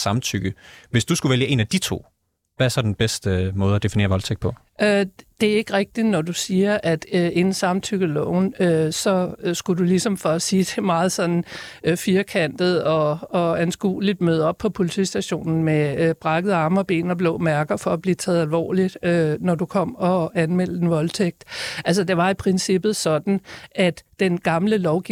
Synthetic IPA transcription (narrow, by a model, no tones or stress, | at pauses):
sɑ̈mt͡sʰyɡ̥əʋe̝sd̥usɡ̥uʋeljəʔe̝̰ːnæd̥it͡sʰo̝̰ː | ʋææɐsɒ̽d̥en̩b̥esd̥əmɔ̽ːð̞ˠæd̥e̝fine̝̰ɐʋɒ̽lt͡sʰeɡ̥̚pʰɒ̽ | ød̥e̝æɐe̝ɡ̥ʁeɡ̥̚d̥inɒd̥usiːɐʔæd̥e̝nn̩sɑ̈mt͡sʰyɡ̥əlɔʊnøsɒ̽sɡ̥udulisɒ̽mfɒ̽siːd̥ʰe̝mɑ̈ːð̞̩ˠsɒ̽nn̩fiːɐkʰæn̰d̥ð̞̩ˠɒ̽ɒ̽ænsɡ̥ṵːlid̥møð̞̩ˠɒ̽b̥̚pʰɒ̽pʰo̝lit͡sʰḭːsd̥æɕo̝̰ːnn̩meb̥ʁɑ̈ɡ̥əð̩ˠɑ̈ːmɒb̥e̝̰ːnɒb̥lɔ̰̽ːmæɐɡ̥ɐfɒ̽æb̥liːt͡sʰɛːð̩ˠælʋɒ̰ːlid̥ønɒdukʰɒ̽m̰ɒ̽ænmel̰əd̥enʋɒ̽lt͡sʰeɡ̥̚d̥ʔæls̬əd̥e̝ʋɑ̈ipʰʁɛnsib̥ð̩ˠsɒ̽d̥n̩ʔæd̥ːenɡ̥ɑ̈mləlɒʊɡ̥i